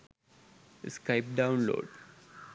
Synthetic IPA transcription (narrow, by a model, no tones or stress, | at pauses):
skaɪp̚ɖãʊ̃nlo̰ːɖ